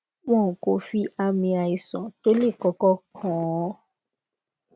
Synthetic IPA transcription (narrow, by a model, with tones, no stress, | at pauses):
wɔ̃˦˨ko˨fi˦ʔa˧mĩ˧a˨i˨sɔ̃˨to˦le˦˨kɔ˧kɔ˦kʰɔ̃˨˦ɔ˦